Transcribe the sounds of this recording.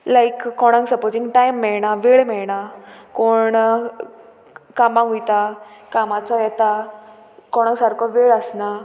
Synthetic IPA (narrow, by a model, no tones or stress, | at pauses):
lajkːɔɽ̃ãŋksəpozĩŋɡʈajmːɛɭɳaʋeɭmɛɭɳakoɳ | kamãɦujt̪akamat͡sajɛt̪a | kɔɽ̃ãŋsaɾkʰɔʋeɭəsna